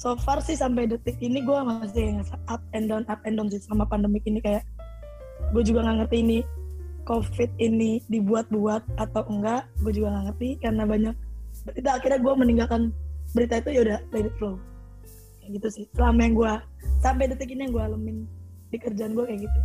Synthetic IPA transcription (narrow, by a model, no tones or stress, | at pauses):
sofɛrsɪhsamp̬ajdət̪ɪk̚iniɡuamast̪ɪaŋasaʔap̚ɛndɔnap̚ɛndɔns̬ɪhsəlamapandəmɪk̚inikajaʔ | ɡuad͡ʒuɡaŋaŋərt̪iːnikofɪt̪̚inidibuat̪̚buat̪̚at̪awəŋɡaʔɡuad͡ʒuɡaŋaŋərt̪ikarənabaɲak̚it̪uakirɲaɡuaməniŋɡalkanbəɾit̪ait̪ujaudalabit̪̚flow | aɡit̪usɪhsəlamajaŋɡua | sampajdət̪ɪk̬inijaŋɡualəmɪn | dikərd͡ʒaanɡuakajaɡit̪u